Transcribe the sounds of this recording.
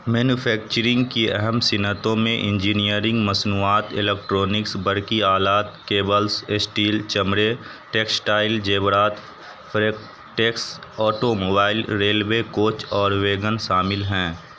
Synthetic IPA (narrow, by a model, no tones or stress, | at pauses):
mɛːnufʰɛːk̚t͡ʃəɾɪ̃ŋɡkiɛɦɛmsɪnət̪õmẽʔɪ̃ɲd͡ʒiːnijəɾɪ̃ŋɡmɐsnuːaːt̪ɪlek̚ʈɾoːnɪksbɐɾkiaːlaːt̪keːbəlsesʈiːlt͡ʃɐmɾeʈeːksʈaːɪld͡ʒeːbɾaːt̪ | fʰɾek | ʈeːksɔːʈomoːbaːɪlɾeːlwekoːt͡ʃɔːɾʋeːɡənʃaːmɪlɦɛ̃ː